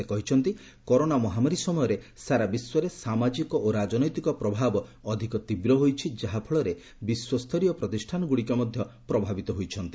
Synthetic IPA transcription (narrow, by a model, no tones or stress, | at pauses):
ekɔɦit͡ʃʰɔnt̪i | kɔɾonamɔɦamaɾisɔmɔjɔɾesaɾabiswɔɾesamad͡ʒikɔoɾad͡ʒɔnɔjt̪ikɔpɾɔbʱabɔːd̪ʱikɔt̪ibɾɔɦojt͡ʃʰid͡ʒaɦapʰɔɭɔɾe | biswɔst̪ʰɔɾijɔpɾɔt̪isʈʰanɔɡuɽikɔmɔd̪ʱjɔpɾɔbʱabit̪ɔɦojt͡ʃʰɔnt̪i